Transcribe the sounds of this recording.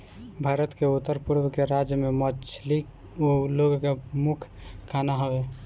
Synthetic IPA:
bʱaɾət̪keut̪ːəɾpuɾbkeɾad͡ʒjəmemət͡ʃʰlik | oloɡkemukʰkʰːanaɦəbe

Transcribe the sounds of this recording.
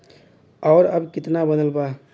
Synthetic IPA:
ɔːɾəbkɪt̪nabənəlba

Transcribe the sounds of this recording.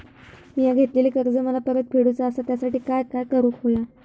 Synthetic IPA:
mijaɡʱet̪leliːkəɾd͡zəməlapəɾət̪̚pʰeɽut͡saəsat̪jasaʈiːkajkajkəɾukɦoja

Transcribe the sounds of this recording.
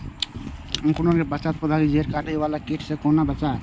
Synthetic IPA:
əŋkunokebət͡ʃat̪̚pud̪ʱakid͡ʒʱeɾkaʈəiʋalakeʈʰsekonabət͡ʃa

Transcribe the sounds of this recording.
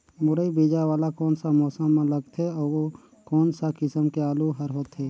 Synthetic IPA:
mʊɾəibeːd͡ʒaʋaːlakɔːnsamɔːsəmːẽləɡt̪ʰɦɛɔːɾwo | kɔːnsakɪsəmkeaːluɦəɾɦoːt̪ɦɛː

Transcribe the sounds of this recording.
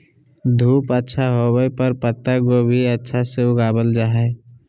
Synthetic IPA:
d̪ʱuːpətːʃʰaɦobəepəɾpət̪ːəɡoːbʱiətːʃʰaseʊɡaːbəld͡ʒaːɦɛ

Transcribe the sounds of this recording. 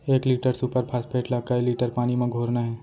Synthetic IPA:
eːkliːʈəɾsupəɾpʰaspʰeːʈlaɡkailiːʈəɾpaːnimẽɡʱoːɾnaɦɛː

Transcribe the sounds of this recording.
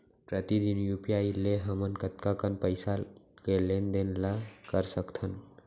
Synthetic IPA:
pɾət̪id̪injupijaileɦəmənkət̪kakənpəɪsakelend̪enlakəɾsəkt̪ʰən

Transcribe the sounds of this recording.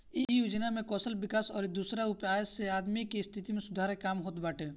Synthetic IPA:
ijoːd͡ʒnamẽkɔːsəlbɪkaːsɔːɾed̪uːsɾaupaːəseaːd̪mikest̪ʰit̪imẽsʊd̪ʱaːɾekaːmɦoːt̪baːʈʰeː

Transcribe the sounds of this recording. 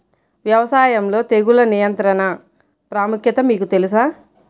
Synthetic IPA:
ʋjɐʋɐsaːjɐmlo̞ːt̪eɡulɐnijɐnt̪ɾɐnɐ | pɾaːmukʰjɐt̪ɐmiːkut̪e̞lus̬aː

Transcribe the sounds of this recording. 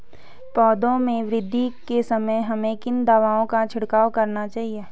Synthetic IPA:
pɔːd̪õmẽʋɾɪd̪ʱːikesɐməjɦɐmẽkɪnd̪aʋaːõkat͡ʃʰɪɽkaːwkɐɾnat͡ʃaːɦieː

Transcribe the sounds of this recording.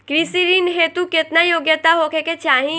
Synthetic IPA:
kɾisiɾinɦeːt̪ukɪt̪najoːɡjət̪aɦokeket͡ʃaːɦĩ

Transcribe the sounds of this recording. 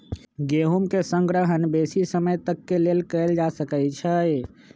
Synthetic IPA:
ɡeɦumkesə̃ŋɡɾəɦənbesisəməjt̪əkːelelkəɪld͡ʒasəkət͡ʃʰəj

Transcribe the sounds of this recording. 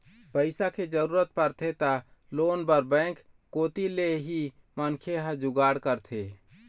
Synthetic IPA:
pəɪsakʰed͡ʒəɾuɾət̪̚pəɾt̪ʰet̪ə | lonbəɾbə̃ɪk | kot̪ileɦi | mənkʰeɦə̃d͡ʒuɡaɽkəɾt̪ʰe

